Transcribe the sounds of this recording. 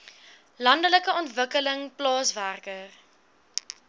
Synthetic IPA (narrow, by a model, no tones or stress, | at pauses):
lɐndələkəɔntvəkələŋplɑːsværkər